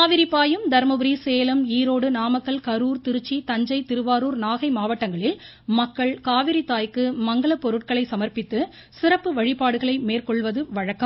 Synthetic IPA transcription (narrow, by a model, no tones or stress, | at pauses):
aːʋɪɾipːaːjɯmd̪ɐɾmɐbɯɾiseːlɐmiːɾoːɽɯnaːmɐkːɐɭkɐɾuːɾt̪ɪɾɯt͡ʃːit̪ɐɲd͡ʒɐɪt̪ɪɾɯʋaːɾuːɾnaːɣɐɪmaːʋɐʈːɐŋɡɐɭɪl | mɐkːɐɭkaːʋɪɾit̪ːaːjkɯmɐŋɡɐɭɐpːɔɾɯʈ̚kɐɭɐɪsɐmɐɾpɪt̪ːɯ | sɪɾɐpːɯʋɐɻɪpːaːɽɯɣɐɭɐɪmeːrkɔɭʋɐðɯʋɐɻɐkːɐm